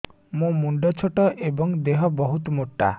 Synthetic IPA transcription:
mũmuɳɖɔt͡ʃʰoʈɔʔebɔŋd̪eɦɔbɔɦut̪ɔmoʈːa̰

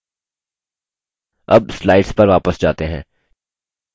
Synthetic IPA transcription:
ɐ̰b̚slaːɪɖspɐɾʋaːpəsd͡ʒaːt̪eɦɛ̃ː

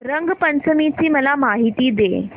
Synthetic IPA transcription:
ɾəŋɡpənt͡səmit͡ɕiːməlamaɦit̪iːd̪e

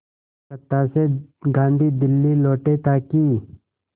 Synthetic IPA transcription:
kət̪ːaːseɡãːnd̪ʱiːd̪ɪlːiloːʈet̪aːki

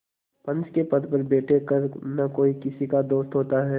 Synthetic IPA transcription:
pɐ̃nt͡ʃkepɐd̪pɐɾbeːʈʰekəɾnakoːikɪsikad̪oːst̪ɦoːt̪aɦɛː

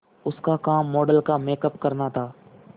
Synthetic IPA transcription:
ʊskaːkaːmːoːɖəlkaːmeːkəpkəɾnaːt̪ʰaː

